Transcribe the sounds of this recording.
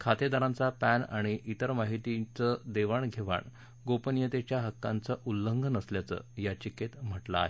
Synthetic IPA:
kʰat̪ed̪aɾãnt͡sapæna̰ɽ̃iʔit̪əɾmaɦit̪it͡səd̪eʋaɳɡʱeʋa̰ɳ | ɡopənjət̪et͡ɕjaɦəkːant͡səʔulːəŋɡʱənəsljat͡sə̰ːjat͡ɕiket̪m̤əʈlaːɦe

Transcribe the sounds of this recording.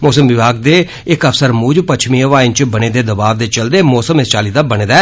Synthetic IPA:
mɔːsəmʋɪbaːɡ̚d̪eː | ɪkəfsəɾmuːd͡ʒpət͡ʃʰmiːəʋaːɪnt͡ʃbəɽ̃eːd̪eːd̪əbaːʋd̪eːt͡ʃəld̪eːmɔːsəmɪst͡ʃaːliːd̪aːbəñeːd̪a

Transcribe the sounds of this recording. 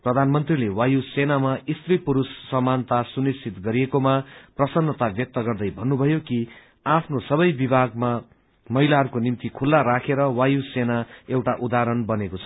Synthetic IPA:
prʌd̪ʱanmʌnt̪rilewajusenamaist̪ripuɾusːʌmːant̪asunist͡sʰit̪ɡʌɾijekomaprʌsʌnːʌt̪abjʌk̚t̪ʌɡʌrd̪ʌjbʱʌnːubʱʌjoki | apʰnosʌbʌjbibʱaɡ̚ma | mʌɦilaɦʌɾukonimt̪ikʰulːaɾakʰeɾʌwajusenaewʈaʔud̪aɾʌnbʌnekot͡sʰʌ̥

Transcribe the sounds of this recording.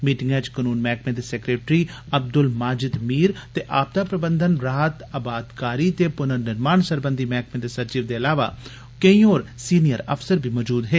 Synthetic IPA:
miːʈɪŋɡjãt͡ʃkənuːnmɛːkʰmẽd̪esekɾeːʈɾi | ɐb̚d̪ʊlmaːd͡ʒɪd̪miːɾt̪eʔaːp̚d̪aːpɾəbə̃nd̪ʱənɾaːt̪əbaːd̪kaːɾit̪epʊnəɾnɪɾmaːnsəɾbə̃nd̪ʱimɛːkʰmẽd̪esɐɾt͡ʃiːʋd̪eɐlaːʋa̰ː | keĩoːɾsiːnijəɾə̰fʰsəɾbʱimɔːd͡ʒuːd̪ɦeː

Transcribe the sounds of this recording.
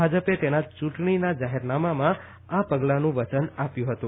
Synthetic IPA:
ad͡ʒəpet̪enat͡ʃũʈɳinad͡ʒaɦeɾnamamã | apəɡlanũʋət͡ʃənapjũɦət̪ũ

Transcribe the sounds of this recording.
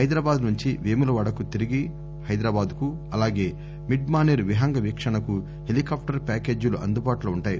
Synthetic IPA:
ɐjd̪ɾaːbaːd̪nuɲt͡ʃiʋeːmulɐʋɐɽɐkut̪iɾiɡi | hɐjd̪ɾaːbaːd̪ku | ɐlaːɡe̞ː | miɖmaːneːɾʋiɦɐŋɡɐʋikʂɐɳɐku | ɦelikaːp̚ʰʈɐɾpaːke̞ːd͡ʒuluʔɐnd̪ubaːʈloːuɳʈaːji

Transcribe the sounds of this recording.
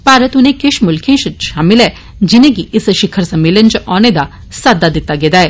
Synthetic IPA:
paːɾət̪ʊnẽkɪʃmʊlkʰẽːʃʃaːmɪlɛː | d͡ʒɪnẽɡiʔɪsʃɪkʰəɾsɐmːeːlənt͡ʃɔːned̪a | saːd̪ad̪ɪt̪ːaɡeːd̪aɛː

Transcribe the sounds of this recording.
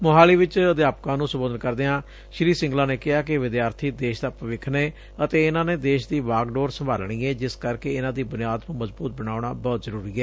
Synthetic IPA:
moɦaːliːʋɪt͡ʃəd̪jaːpkãːnũːsəmboːd̪ənkəɾd̪eːãː | ʃɾiːsɪ̃ŋɡlãːneːkɪɦaːkɪʋɪd̪jaːɾt̪ʰiːd̪eːʃd̪aːpəʋɪkʰneː | ət̪eːɪnãːneːd̪eːʃd̪iːʋaːɡɖoːɾsəmbʱa̰ːlɳiːɛːd͡ʒɪskəɾkeːɪnãːd̪iːbʊnɪjaːd̪nũːməzbuːt̪̚bəɽaːʊɳaːbɔːt̪zəɾuːɾiːɛː

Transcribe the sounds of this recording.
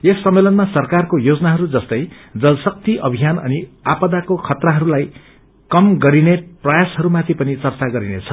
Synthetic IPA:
esːʌmːelʌnmasʌrkarkojod͡zʌnaɦʌɾud͡zʌst̪ʌj | d͡zʌlsʌk̚t̪iʔʌbʱijanʌ̰niapʌd̪akokʰʌt̪raɦʌɾulaj | kʌmɡʌɾineprʌjasɦʌɾumat̪ʰipʌnit͡sʌrt͡saɡʌɾinḛt͡sʰʌ

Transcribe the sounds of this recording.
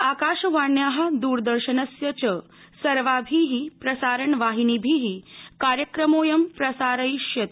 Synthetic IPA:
akaːʂɐʋaɳjaɦɐd̪uːɾd̪əɾɕənɐsjɐt͡ɕə | sɐɾʋabʱiɦipɾɐsaːɾəɳʋaɦiniːbʱiɦikaɾjəkɾəmoːjɐmpɾɐsaːɾɐjʃjɐt̪

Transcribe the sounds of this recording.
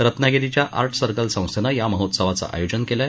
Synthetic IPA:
ɾət̪naɡeɾit͡ɕjaʔa̰ɾʈʰsəɾkəlsə̃w̃senəjaməɦot̪səʋat͡sa̰ʔa̰jod͡ʑənkela

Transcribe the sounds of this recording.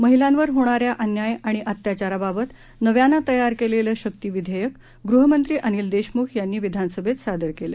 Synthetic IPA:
məɦilãnʋəɾɦoɽ̃aɾjaʔənjajaɽ̃iʔət̪jat͡ɕaɾababət̪ | nəʋjanːat̪əjaɾkeleləɕək̚t̪iːʋid̪ʱəjək | ɡɾuɦəmənt̪ɾiːʔəniːld̪eɕmukʰjanːiːʋid̪ʱanəsəbʱet̪sad̪əɾkele

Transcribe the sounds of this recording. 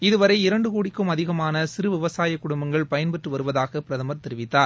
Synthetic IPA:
ɪðɯʋɐɾɐɪɪɾɐɳɖɯkuːɽɪkːɯmɐðɪɣɐmaːnɐsɪɾɯʋɪʋɐsaːjɐkːʊɽʊmbɐŋɡɐɭpɐjɐnpɛʈrɯʋɐɾɯʋɐðaːɣɐpɪɾɐðɐmɐɾt̪ɛɾɪʋɪt̪ːaːɾ

